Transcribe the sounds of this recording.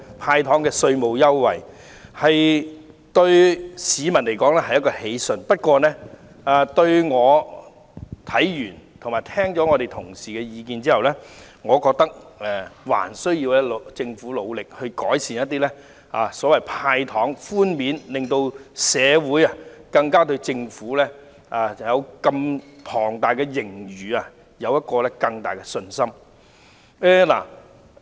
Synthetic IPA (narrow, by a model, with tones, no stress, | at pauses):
pʰaː˧jt̪ʰɔː˨˥ŋkɛː˧sɵ˧ɥmo˨wjɐ˥wwɐ̰˨j | hɐ˨j | t̪ɵ˧ɥsiː˨˧mɐ˨˩nle˨˩jkɔː˨˥ŋlɛː˥hɐ˨jɐ˥t̚kːɔː˧he˨˧˥jsɵ˨˩npɐ˥t̚kʷɔː˧nɛː˥ | a˨t̪ɵ˧ɥŋɔː˨˧ | t̪ʰɐ˨˥jjyː˨˩nt̪ʰʊ˨˩maː˨˩jt̪ʰɛː˥ŋt͡sɔː˨˥ŋɔː˨˧ɾe˨˩jt̪ʰʊ˨˩ŋsiː˨˩kɛː˧jiː˨˧kiː˧nt͡siː˥hɐ˨wlɛː˥ | ŋɔː˨˧kɔː˧k̚t̪ɐ˥k̚ɛ˨˩wa̰ː˨˩nsɵ˥ɥjiː˧wɛ˥lt͡sɪ˧ŋfuː˨˥lo˨˧wlɪ˨k̚hɵ˧ɥkɔː˨˥jsiː˨˩njɐ˥t̪̚ːiː˥lɛ˥ | aː˨sɔː˨˥wɐ˨˩jpʰaː˧jt̪ʰɔː˨˥ŋfuː˥nmiː˨˥nlɪ˨ŋt̪o˧wsɛː˨˧wuː˨˥jɐ˨kɐ˧ŋkaː˥t̪̬ɵ˧ɥt͡sɪ˧ŋfuː˨˥lɛ˥ | aː˨˧jɐ˨˧wkɐ˧mpʰɔː˨˩ŋt̪aː˨˩jkɛː˧jɪ˨˩ŋjyː˨a˨ | jɐ˨˧wjɐ˥t̚kɔː˧lɛ˥kɐ˧ŋt̪aː˨jkɛ˧sɵ˧nsɐ˥m | ɛ˧la̰ː˨˩